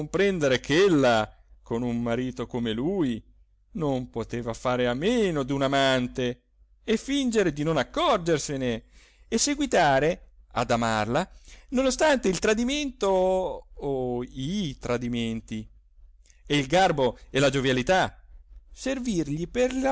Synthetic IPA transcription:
mpɾɛnd̪eɾekʰelːa | konummaɾiːt̪okomeluji | nompot̪eːvafaːɾeamːeːnod̪unamant̪e | efːind͡ʒeɾed̪inonakːɔrd͡ʒerseneː | sːeɡwit̪aːɾe | a̰d̪amarlanonost̪ant̪eilt̪ɾad̪iment̪oː | it̪ɾad̪iment̪i | eilɡarboɛlad͡ʒovjalit̪a | servirʎiperl

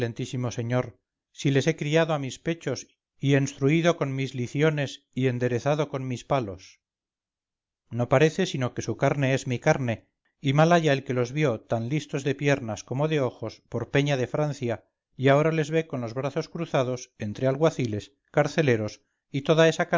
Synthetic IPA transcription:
lent̪isimo̞se̞ɲo̞ɾ | sile̞se̞kɾiaðoamispe̞t͡ʃo̞s | ie̞nst̪ɾuiðo̞ko̞nmizliθjone̞s | ie̞nd̪e̞ɾe̞θaðo̞ko̞nmispalo̞s | no̞paɾe̞θe̞sino̞ke̞sukaɾne̞ezmikaɾne̞ | imalaʝaelke̞lo̞zβjo̞t̪anlist̪o̞zðe̞pje̞ɾnasko̞mo̞ðe̞o̞xo̞spo̞ɾpe̞ɲaðe̞fɾanθja | iao̞ɾale̞zβe̞ko̞nlo̞zβɾaθo̞skɾuθað̞o̞se̞nt̪ɾealɣwaθile̞s | kaɾθe̞le̞ɾo̞s | it̪o̞ðae̞sak

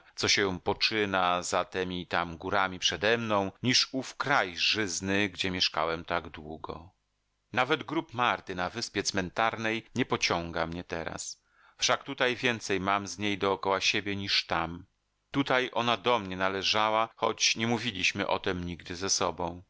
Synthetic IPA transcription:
t̪sɔɕɛ̃pɔt͡ʂɘnazat̪ɛmʲit̪amɡuɾamʲipʂɛd̪ɛmnɔ̃w̃ɲiʂufkɾajʐɘznɘɡd͡ʑɛmʲjɛʂka̰wɛmt̪aɡd̪wuɡɔ̰ | navɛd̪ɡɾupmaɾt̪ɘnavɘspʲjɛt̪smɛnt̪aɾnɛjɲɛpɔt͡ɕɔŋɡamɲɛt̪ɛ̰ɾa̰s | fʂakt̪ut̪ajvʲjɛnt̪sɛjmamzɲejd̪ɔːkɔwaɕebʲjɛɲiʂt̪am | t̪ut̪ajʔɔnad̪ɔmɲɛnalɛʐawaxɔt͡ɕɲɛmuvʲilʲiɕmɘʔɔ̰t̪ɛmɲiɡd̪ɘzɛsɔbɔ̃w̃

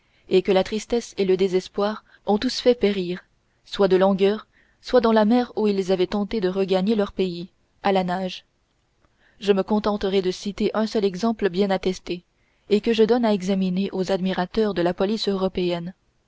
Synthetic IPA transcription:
ekəlat̪χist̪ɛseləd̪ezɛspwaʁ | ɔ̃t̪usfɛpeʁiːʁ | swad̪əlɔ̃ɡœːʁ | swad̪ɑ̃lamɛʁuilzavɛt̪ɑ̃t̪ed̪əʁəɡaɲelœʁpei | alanaʒ | ʒəməkɔ̃t̪ɑ̃t̪əʁɛd̪əsit̪eʔɛ̃sœlɛɡzɑ̃pləbjɛ̃nat̪ɛst̪eː | kəʒəd̪ɔnaɛɡzamineʔozad̪miʁat̪œʁd̪əlapɔlisøʁɔpeɛn

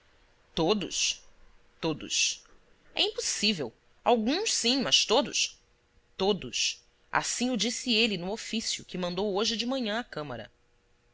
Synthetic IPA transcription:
t̪od̪ʊ̰s | t̪od̪ʊ̰s | ɛ̰ĩposivew | awɡũʃsĩmɐʃt̪od̪ʊ̰ʃ | t̪od̪ʊs | a̰sĩʊd͡ʒisɪelɪnʊofisjʊkɪmɐ̃nd̪owoʒɪd͡ʒɪmɐ̃ɲɐ̃akɐ̃mɐɾɐ̰

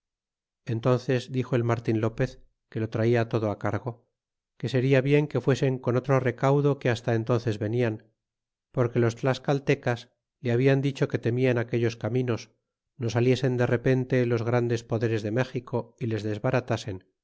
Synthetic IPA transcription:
e̞nt̪o̞n̟θe̞zd̪ixo̞elmaɾt̪inlo̞pe̞θ | ke̞lo̞t̪ɾaiat̪o̞ð̞o̞akaɾɣo | ke̞se̞ɾiaβje̞ŋke̞fwe̞se̞ŋko̞no̞t̪ɾo̞re̞kawðo̞keast̪aent̪o̞nθe̞zβe̞nian | po̞ɾkelo̞st̪laskalt̪e̞kas | leaβ̞iand̪it͡ʃo̞ke̞t̪e̞miaenake̞ʎo̞skamĩno̞s | no̞salje̞se̞nd̪e̞re̞pe̞nt̪e̞lo̞zɣ̞ɾand̪e̞spo̞ðe̞ɾe̞zðe̞me̞xikʰo̞ile̞zðe̞zβaɾat̪ase̞n

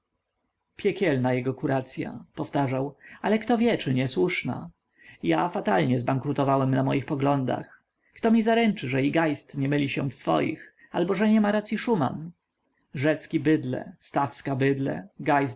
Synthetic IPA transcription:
pʲjɛkʲɛlnajɛɡɔkuɾat̪sʲja̰pɔft̪aʐawalɛkt̪ɔvʲjɛt͡ʂɘɲɛswuʂna̰ | jafat̪alɲɛzbaŋkɾut̪ɔvawɛmnamɔjixpɔɡlɔnd̪a̰x | kt̪ɔmʲizaɾɛnt͡ʂɘʐɛiɡajst̪ɲɛmɘlʲiɕɛfsfɔ̰jḭx | albɔʐɛɲɛmaɾat̪sʲjiʂuma̰n | ʐɛt̪skʲibɘd̪lɛ̰st̪afskabɘd̪lɛ̰ɡajs

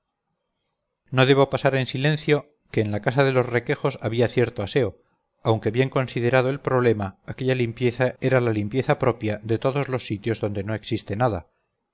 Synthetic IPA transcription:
no̞ð̞e̞βo̞pasaɾe̞nsilẽ̞nθjo̞ | ke̞ːnlakasaðe̞lo̞zre̞ke̞xo̞saβiaθje̞ɾt̪oase̞o̞ | awŋke̞βje̞ŋko̞nsið̞e̞ɾað̞oe̞lpɾo̞β̞le̞maːke̞ʎalimpje̞θae̞ɾalalimpje̞θapɾo̞pjaðe̞t̪o̞ðo̞zlo̞sːit̪jo̞zðo̞nd̪e̞no̞e̞ksist̪e̞naða

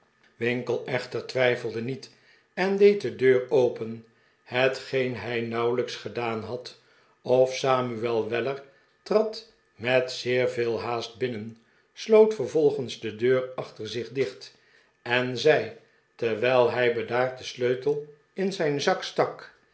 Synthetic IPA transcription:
ʋɪŋkəlˠɛχtəɹtʋɛjfəl̩ˠdənit | ɛndejt̚dədøːɹowpən | hətχejnɦɛjnɑwləksχədaːnɦɑt | ɔfsaːmyɛlˠʋɛləɹ | trɑt | mɛtsɪːɹvɪːlˠɦaːst̚bɪnən | slowtfəɹvɔlˠχənzdədøːrɑχtəɹzɪχdɪχt | ɛnzɛj | tɛɹʋɛjlˠɦɛjbədaːɹt̚dəsløɥtəlˠ | ɪnzɛjnzɑkstɑk

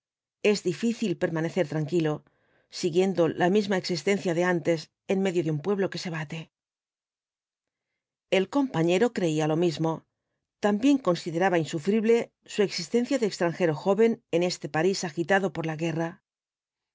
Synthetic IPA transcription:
e̞zðifiθilpe̞ɾmane̞θeɾt̪ɾaŋkilo̞ | siɣje̞nd̪o̞lamizmaeksist̪e̞nθjaðeant̪e̞s | e̞nme̞ðjo̞ðeumpwe̞β̞lo̞ke̞se̞β̞at̪e̞ | e̞lko̞mpaɲe̞ɾo̞kɾe̞ialo̞mizmo̞ | t̪ambje̞ŋko̞nsiðe̞ɾaβainsufɾiβle̞ | sue̞ksist̪e̞n̟θjaðekst̪ɾaŋxe̞ɾo̞xo̞βe̞nene̞st̪e̞paisaxit̪aðo̞po̞ɾlaɣe̞ra

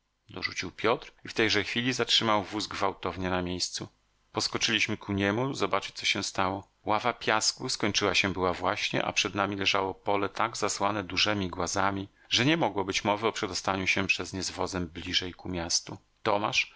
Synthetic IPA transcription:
d̪ɔʐut͡ɕiwpʲjɔt̪ɾift̪ɛjʐɛxfʲilʲizatʂɘmawvuzɡvawt̪ɔvɲɛnamʲjejst̪su | pɔskɔt͡ʂɘlʲiɕmɘkʰuɲɛmuzɔbat͡ʂɘ̥t͡ɕ̚t̪sɔɕɛ̃st̪awɔ | wavapʲjaskuskɔɲt͡ʂɘwaɕɛbɘwavwaɕɲɛ̰ʔa̰pʂɛd̪namʲilɛʐawɔpɔlɛt̪aɡzaswanɛd̪uʐɛmʲiɡwazamʲi | ʐɛɲɛmɔɡwɔbɘt͡ɕmɔvɘɔpʂɛd̪ɔst̪aɲuɕɛpʂɛzɲɛzvɔzɛmblʲiʐɛjkumʲjast̪u | t̪ɔmaʂ

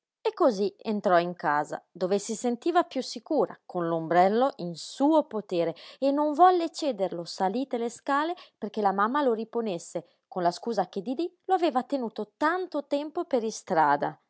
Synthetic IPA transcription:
ekːozient̪ɾɔiŋkaːza̰d̪oːvesisent̪iːvapjusikuːɾakonlombɾɛlːoʔinsuːopot̪eːɾeenːoɱvɔlːet͡ʃɛːd̪eɾlosaliːt̪eleskaːleperkelamamːaloɾiponesːe | konlaskuːzak̟ed̪id̪iloaveːvat̪enuːt̪ot̪ant̪ot̪ɛmpopeɾist̪ɾa̰ːd̪a̰

